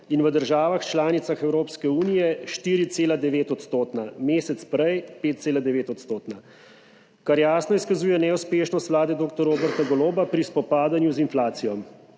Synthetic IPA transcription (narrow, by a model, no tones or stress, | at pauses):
inʋəd̪əɾʒaːʋaxt͡ʃlaːnit̪saxɛwɾoːpskɛuːnijɛʃt̪iːɾit̪seːlad̪ɛʋeːt̪ɔt̪st̪oːt̪nameːsɛt̪spɾɛjpeːt̪̚t̪seːlad̪ɛʋeːt̪ɔt̪st̪oːt̪na | kaɾjaːsnɔiskazuːjɛnɛuspeːʃnɔst̪ʋlaːd̪ɛd̪oːkt̪ɔɾoːbɛɾt̪aɡɔloːbapɾispɔpaːd̪anjuzinflaːt̪sijɔm